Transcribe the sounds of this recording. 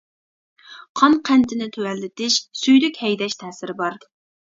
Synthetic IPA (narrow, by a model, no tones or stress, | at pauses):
qʰɑnqʰɛnt̪ʰɪnɪt̪ʰøwɛlːɪt̪ɪʃsyjlykʲhɛjd̪ɛʃt̪ʰɛːsɪɾɪbɑɾ